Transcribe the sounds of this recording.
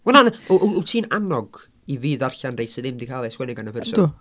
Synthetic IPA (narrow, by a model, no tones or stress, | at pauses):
wɛnanʔutʰiːnanɔɡ̥ | iviːðarɬandrejsɪðɪmdikʰaːlˠɛswɛnɪɡanəpɛrsɔ